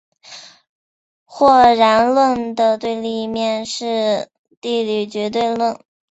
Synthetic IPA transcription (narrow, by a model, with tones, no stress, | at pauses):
xwɔ˥˩ɻa˧˥nlwə˥˩nd̪ə˩t̪we˥˧ɪli˥˩mjɛ˥˧nʂɻ̩˥˧ | t̪i˥˩ly˨˩t͡ɕɥɛ˧˥t̪̬we˥˧ɪlwə˥˩n